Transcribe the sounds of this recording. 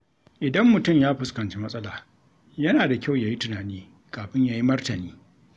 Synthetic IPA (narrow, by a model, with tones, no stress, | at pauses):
ʔɪ˨dɐ˦mːʊ˨tʊ˦˨mjaː˦ɸɪ˨skɐ˨nt͡ʃi˦mɐ˦sʼɐ˦laː˨ | jɐ˦naː˨da˨kʲa˦˨wjaː˨ji˦tʊ˨naː˨niː˦ | kaː˨ɸɪ˦ɲjaː˦ji˦mɐ˦rtɐ˨niː˦